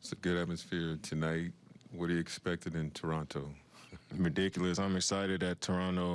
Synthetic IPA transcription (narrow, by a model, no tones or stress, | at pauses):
soɡʊɾæt̚mɨsfɪɹtʰɨnaɪt̚wʌɾɨɨkspɛk̚tɨɾɨ̃ntʰə˞ɑ̃ntʰoʊɹɨdɪkjl̩ˠəsãɪ̃mɨksaɪɾɨd̪̚ðɨtʰə˞ɑ̃noʊ